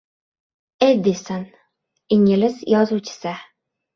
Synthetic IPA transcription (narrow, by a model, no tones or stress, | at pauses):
ejd̪esan | ɪŋɪlɪsjɒzuwt͡ʃʰɪ̥sɪ